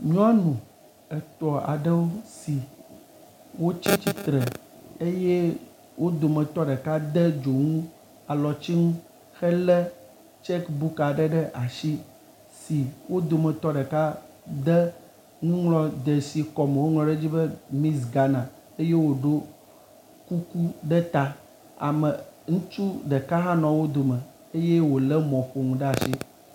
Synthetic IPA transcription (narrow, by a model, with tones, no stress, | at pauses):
ɲ̃˦a˦nũ˨ | ɛ˨t̪ɔ˨a̰˨ɖɛ˦wo˦si˨ | wo˦t͡ɕi˦t͡ɕi˦t̪ɾɛ˨ | e˦je˦ | wʔo˦d̪o˨mɛ̃˨t̪ɔ˦ɖɛ˨ka˦d̪ɛ˦d͡ʒo˨ŋũ˦ | a˨lɔ˨t͡ɕi˦ŋũ˦ | xɛ˦lɛ˦ | t͡ʃɛ˦kbu˦ka˨ɖɛ˦ɖɛ˦ʔa˨ʃi˦ | si˨wʔo˦d̪o˨mə˨t̪ɔ˦ɖɛ˨ka˦ | d̪ɛ˦ | ŋũ˦ŋlɔ˦d̪ə˨si˨kɔ˨me˨wo˦ŋlɔ̃˨ɖe˦d͡ʑi˦bə˦mĩ˦sɡa˨nã˨ | e˦je˦wo˨ɖo˦ | ku˦ku˦ɖɛ˦t̪a˦ | a̰˨mə˨ŋũ˦t͡ʃu˦ɖɛ˨ka˦ɦã˦nɔ̃˨wo˦d̪o˨mə˨ | e˦je˦wo˨lɛ˦mɔ̃˨ɸo˨ŋũ˨ɖɛ˦a˨ʃi˦